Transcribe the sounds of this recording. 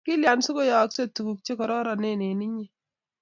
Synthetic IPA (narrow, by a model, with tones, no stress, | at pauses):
kɪ˦lja˨nsʊ˦kʊ˦jɔ˨˦kse˦tu˨ku˨k̚t͡ʃe˦kɔ˨ɾɔ˦ɾa˨ne˦˨ne˨ni˦ɲi˦